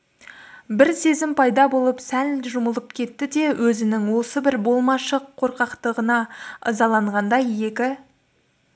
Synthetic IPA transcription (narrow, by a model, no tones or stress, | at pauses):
bɪɾse̞zɪmpʰɑjd̪ɑbo̞lˠəpsænʒʊməlˠəp̚kʲʰe̞t̪ːɪd̪e̞wʔɵzɪnɪŋwo̞səbɪɾbo̞lˠmɑʃəqʰːo̞ɾqɑqt̪əʁənɑə̰zɑlˠɑɴʁɑnd̪ɑjje̞kʲɪ